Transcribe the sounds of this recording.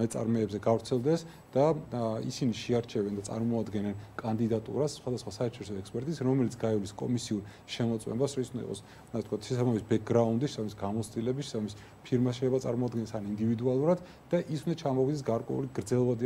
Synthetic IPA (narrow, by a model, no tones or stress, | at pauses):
ɛt̪sʼa̰ɾmɛːbzɛɡavɾt̪sʰɛlˠd̪ɛs | d̪̥aḭsiniʃɛaɾt͡ʃʰɛvɛnd̪at̪ʼa̰ɾmɔad̪ɡɛnɛnkʼand̪id̪at̪ʼṵɾasːχwad̪asχwasaɛɾʃʰɔɾisɔɛkspʼɛɾt̪ʼisɾɔmɛlit̪sʰɡaɛliskʼɔ̰misiuɾ | ʃɛmɔt̪sʼwɛ̰mbasɾɔisund̪a̰ḭɔ̰s | sɛt̪kʰat̪ʰʃɛsabamisbɛk̚ʰɡɾaund̪iʃɛ̥saamisɡamɔt̪sʰt̪ʼilɛbisʃɛ̥sabamis | pʰiɾmaʃɛɛbat̪sʼa̰ɾmɔad̪ɡɛnɛsanind̪ivid̪ualˠuɾad̪ | d̪̥aʔisund̪at͡ʃʰamɔvid̪ɛs̬ɡaɾkʼwɛ̰ṵliɡɾd̪zɛlˠvad̪i